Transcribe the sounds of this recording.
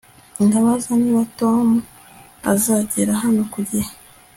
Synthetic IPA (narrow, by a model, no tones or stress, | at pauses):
indaβazaniːβato̞mu | a̰zaɟeɾaɦano̞kuɟeha